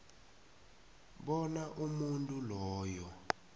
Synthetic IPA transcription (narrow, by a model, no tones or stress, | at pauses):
ɓɔnaʔumuntʼulɔːjɔ